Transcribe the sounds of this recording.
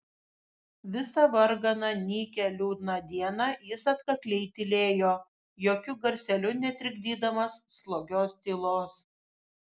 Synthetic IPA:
ʋʲɪsɐʋɐɾɡɐnɐnʲiːkʲɛlʲuːd̪ʲnɑd̪ʲiɛnɑjɪsɐt̪kɐklʲɛɪt̪ʲɪlʲeːjoː | joːkʲʊɡɐɾʲsʲɛlʲʊnʲɛt̪ʲɾʲɪɡ̚ʲd̪ʲiːd̪ɐmɐsːlˠoːɡʲoːst̪ʲiːlˠoːs

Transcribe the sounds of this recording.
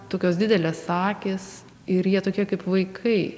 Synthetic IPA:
t̪oːkʲoːsd̪ʲɪd̪ʲɛlʲeːssɑːkʲes | ɪɾjiɛt̪oːkʲiɛkɐɪpʋɐɪkʰɐɪ

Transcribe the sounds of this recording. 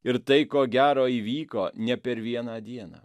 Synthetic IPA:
ɪɾt̪ɐɪkoːɡʲæːɾoːiːʋʲiːkoːnʲɛpʲɛɾʋʲiɛnɑːd̪ʲiɛna̰ː

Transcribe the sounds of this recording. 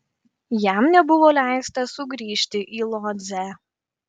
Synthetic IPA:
jæˑmnʲɛbʊʋoːlʲæˑɪst̪ɐsʊɡɾʲiːʃʲt̪ʲɪʔiːlˠɔːd̪ʲzʲæ

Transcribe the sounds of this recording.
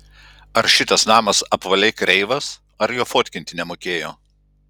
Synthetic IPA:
ɐɾʃʲɪt̪ɐsnɑːmɐsɐpʋɐlʲɛɪkɾʲɛɪʋɐs | ɐɾjoːfoːt̪ʲkʲɪnʲt̪ʲɪnʲɛmoːkʲeːjoː

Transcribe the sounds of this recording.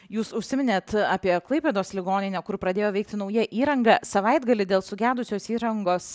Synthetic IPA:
juːsʊʃʲsʲɪmʲɪnʲeːt̪aːpʲiɛklˠɐɪpʲeːd̪oːslʲɪɡoːnʲɪnʲɛkʊɾpɾɐd̪ʲeːjoːʋɛɪk̚t̪ʲɪnɒʊjɛʔiːɾɐŋɡɐsɐʋɐɪd̪ɡɐlʲɪd̪ʲeːlˠsʊɡʲæːd̪ʊsʲoːsiːɾɐŋɡoːs

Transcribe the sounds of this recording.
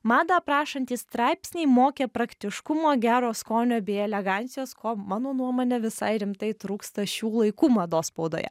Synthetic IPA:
mɑːd̪ɑpɾɑːʃɐnʲt̪ʲiːst̪ɾɑɪpʲsʲnʲɛɪmoːkʲɛpɾɐkt̪ʲɪʃkʊmoːɡʲæːɾoːskoːnʲoːbʲeːɛlʲɛɡɑnʲsʲɪjoːskoːmɑːnoːnuɔmoːnʲɛʋʲɪsɐ̰ɪɾʲɪmt̪ɐɪt̪ɾuːkst̪ɐʃʲuːlˠɐɪkuːmɐd̪oːspoʊd̪o̰ːjɛ̰

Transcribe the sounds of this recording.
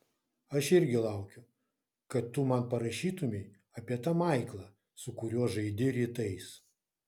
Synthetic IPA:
ɐʃɪɾʲɡʲɪlˠɐˑʊkʲʊ | kɐt̪ːʊmɐnpɐɾɐʃʲiːt̪ʊmʲɛɪ | ɐpʲiɛt̪ɑmɑˑɪklˠɐ | sʊkʊɾʲuɔʒɐɪd̪ʲɪɾʲit̪ɐɪs

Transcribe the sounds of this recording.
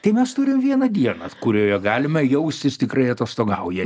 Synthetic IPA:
t̪ɐɪmʲɛst̪ʊɾʲɪmʋʲiɛnɐd̪ʲiɛnɐtkʊɾʲoːjɛɡɑːlʲɪmɐjɛʊsʲt̪ʲɪst̪ʲɪkɾɐɪɐt̪oːst̪oːɡɐʊjɛ

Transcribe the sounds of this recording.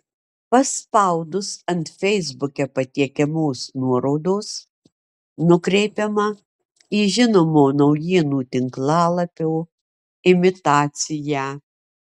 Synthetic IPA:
pɐspɐʊd̪ʊsɐnt̪fʲɛɪzbʊkʲɛpɐt̪ʲiɛkʲɛmoːsnuɔɾɔʊd̪oːs | nʊkɾʲɛɪpʲɛmɐ | iːʒʲɪnoːmoːnɐʊjiːnuːt̪ʲɪŋklˠɑːlˠɐpʲoː | ɪmʲɪt̪ɑːt̪sʲɪjæː

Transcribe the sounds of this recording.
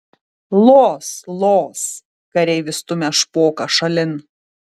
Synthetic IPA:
lˠoːslˠoːs | kɐɾʲɛɪʋʲɪst̪ʊmʲɛʃpoːkɐʃɐlʲɪn

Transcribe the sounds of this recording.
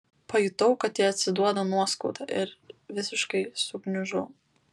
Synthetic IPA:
pɐjʊt̪ɐʊkɐt̪jiːɐt̪ʲsʲɪd̪uɔd̪ɐnuɔskɔʊt̪ɐʔɪɾʋʲɪsʲɪʃkɐɪsʊɡnʲʊʒɐʊ

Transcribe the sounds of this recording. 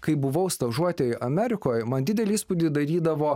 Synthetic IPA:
kɐɪbʊʋɐʊst̪ɐʒuɔt̪ʲɛʔɐmʲæːɾʲɪkoːjmɐnd̪ʲɪd̪ʲɛlʲɪiːspʊd̪ʲɪd̪ɐɾʲiːd̪ɐʋoː

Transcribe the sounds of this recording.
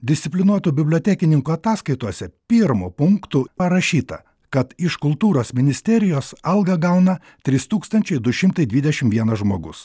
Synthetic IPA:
d̪ʲɪsʲɪpʲlʲɪnuɔt̪uːbʲɪbʲlʲoɔt̪ʲæːkʲɪnʲɪŋkuɐt̪ɑːskɐɪt̪uɔsʲɛpʲiːɾmupʊŋkt̪upɐɾɐʃʲiːt̪ɐ̰ | kɐt̪ɪʃkʊlˠt̪uːɾoːsmʲɪnʲɪsʲt̪ʲɛɾʲɪjoːsɐlˠɡɐɡɐʊnɐ | t̪ʲɾʲiːst̪uːkst̪ɐnʲt͡ʃʲɛɪd̪ʊʃʲɪmt̪ɐɪd̪ʲʋʲiːd̪ʲɛʃʲɪmʋʲiɛnɐʒmoːɡʊs

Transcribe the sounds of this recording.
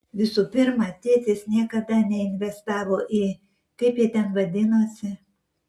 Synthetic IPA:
ʋʲɪsuːpʲɪɾmɑt̪ʲiɛt̪ʲɪːsnʲiɛkɐd̪ɐnʲɛɪnʲʋʲɛst̪ɑːʋoːʔiː | kɐɪpjiːt̪ʲɛnʋɐd̪ʲɪnoːsʲɪ

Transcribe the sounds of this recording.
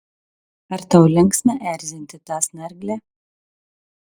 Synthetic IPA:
aɾt̪awlʲɛŋksnɛʔæːɾzʲinʲt̪ʲɨt̪aːsnæɾɡlʲɛ

